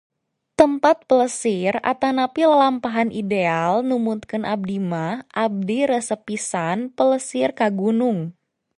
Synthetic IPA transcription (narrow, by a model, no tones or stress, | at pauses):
t̪əmpat̪̚pələsɪra̰t̪anapillampaɦanʔidealnumut̪̚kənʔab̚dimahʔab̚diɾəsəpisanpələsɪrkaɡunʊŋ